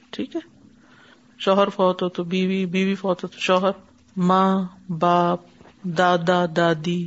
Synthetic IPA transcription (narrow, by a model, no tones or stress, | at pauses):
ʈʰiːkɦɛ | ʃɔːɦəɾfɔːt̪ot̪obiːʋibiːʋifɔːt̪ot̪o̥ʃɔːɦəɾ | mãːbaːp̚ | d̪aːd̪aːd̪aːd̪iː